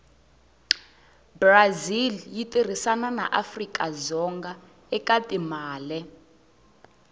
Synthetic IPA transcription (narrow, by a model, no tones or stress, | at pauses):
braziljitʼir̤isanana̰ʔafrikʼazɔŋɡa | ɛkʼatʼimaːlɛ